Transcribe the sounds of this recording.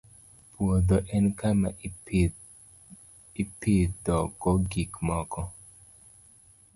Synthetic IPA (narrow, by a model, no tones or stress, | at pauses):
pwod̪ɔʔɛnkama̰ | ipid̪ɔɡɔɡikmɔkʰɔ